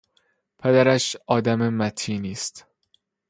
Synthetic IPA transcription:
pʰed̪æɾæʃɒːd̪æmemæt̪ʰiːniːst̪

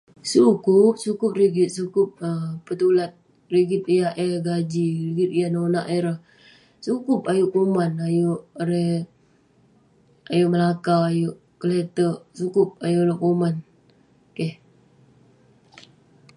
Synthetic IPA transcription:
sukʊp̚sukʊp̚riɡɪt̪̚sukʊp̚əpət̪ulat̪̚ | riɡɪt̪̚ijaʔɛɡad͡ʒiɾiɡɪt̪̚ijanonaʔeɾəh | sukʊpajʊʔkumanajʊʔɾe | ajʊʔməlakaajʊʔ | kəlet̪əʔsukʊp̚ajʊʔlokuman | keh

